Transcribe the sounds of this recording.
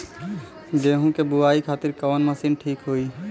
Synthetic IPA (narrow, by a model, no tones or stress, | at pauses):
ɡeːɦũkebʊaːikʰaːt̪ɪɾkɔːnməsinʈʰiːkɦoi